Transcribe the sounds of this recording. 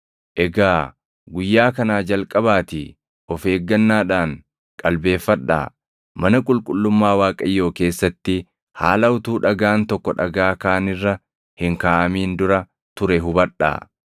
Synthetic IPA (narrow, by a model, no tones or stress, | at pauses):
ʔɛɡaː | ɡʊjːaːkɐnaːd͡ʒɐlkʼɐbaːt̪ɪ | ɔfe̞ːɡːɐnːaːᶑaːn | kʼɐlbe̞ːfːɐɗːa̰ː | mɐnɐkʼʊlkʼʊlːʊmːaːwaːkʼɐjːo̞ːke̞ːsːɐt̪ːɪ | ha̰ːlɐʊt̪uːᶑɐɡaːnt̪ɔkːɔᶑɐɡaːkaːnɪrːɐ | hɪŋkaːʔɐmiːnd̪ʊɾɐ | t̪ʊɾɛɦʊbɐᶑːa̰ː